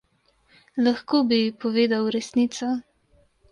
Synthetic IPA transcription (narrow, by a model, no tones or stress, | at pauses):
laxkoːbipɔʋeːd̪awɾɛsnit̪sɔ